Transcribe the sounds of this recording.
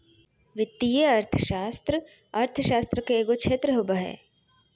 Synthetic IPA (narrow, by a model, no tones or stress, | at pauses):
ʋɪt̪ːijeɐɾt̪ʰə̥ʃaːst̪ɾə | ɐɾt̪ʰəʃaːst̪ɾəkeeːɡokʃeːt̪ɾəɦobəɦɛ̰ː